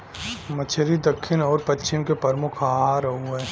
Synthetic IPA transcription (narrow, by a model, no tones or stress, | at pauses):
mət͡ʃʰəɾid̪ɐkʰːɪnɔːɾpɐtːʃɪmkepɐɾmʊkʰaɦaɾɐɦuɛː